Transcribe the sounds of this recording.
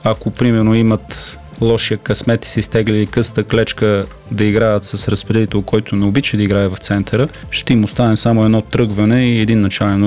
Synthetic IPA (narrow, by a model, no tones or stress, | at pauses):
akopɾimɛɾnoimət̪ | lˠɔʃijəkɐsmɛt̪i̥sist̪ɛɡliikɤst̪əklɛt͡ʃkə | d̪ɐiɡɾaət̪sɐsɾɐspɾɛd̪it̪ɛlˠkɔjt̪ʊnɛobit͡ʃɛd̪ɐiɡɾaɛvɐft̪sɛnt̪ʰɐɾə | ʃt̪ɛimost̪anɛmsamʊɛd̪nɔt̪ɾɤɡvɐnɛiɛd̪inːɐt͡ʃalɛn